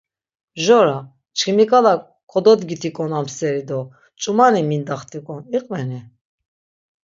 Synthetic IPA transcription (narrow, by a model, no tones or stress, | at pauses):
bʒɔɾa | t͡ʃʰkʰimikʼala | kʰɔd̪ɔd̪ɡit̪ʰikʼɔnamsɛɾid̪ɔ | t͡ʃʼumanimind̪aχt̪ʰʼikʼɔniqʼvɛni